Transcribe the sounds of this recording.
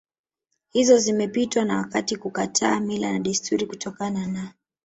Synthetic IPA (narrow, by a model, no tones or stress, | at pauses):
hizɔzimɛpitwanawakatikukatʰaːmilanaɗistʰuɾikutɔkanana